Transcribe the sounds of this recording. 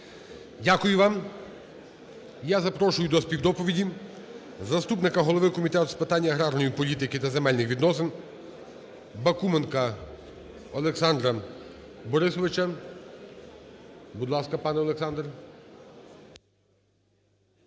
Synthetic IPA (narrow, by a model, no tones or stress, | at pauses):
dʲakʊjʊʋɑm | jazɐpɾɔʃʊjʊd̪ɔspʲiwd̪ɔpɔʋʲidʲi | zɐst̪upnɪkɐɦɔlˠɔʋɪkɔmʲit̪ɛt̪ʊspɪt̪ɑnʲːɐɦɾɑɾnɔjipɔlʲit̪ɪkɪt̪ɐzemɛlʲnɪxʋʲid̪nɔsɪn | bɐkumenkɐ | ɔlˠeksɑnd̪ɾɐ | bɔɾɪsɔʋɪt͡ʃɐ | bud̪lˠɑskɐpɑnɛɔlˠeksɑnd̪r